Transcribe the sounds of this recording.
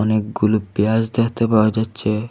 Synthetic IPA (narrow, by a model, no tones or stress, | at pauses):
ɔnek̚ɡulobiasd̪ekʰt̪epaoad͡ʑatːɕʰe